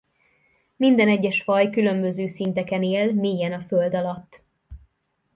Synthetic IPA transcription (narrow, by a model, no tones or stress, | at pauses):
mind̪ɛnɛɟːɛʃfɒjkylø̞mbø̞zøːsint̪ɛkɛneːlmeːjɛnɒføld̪ɒlɒt̪ː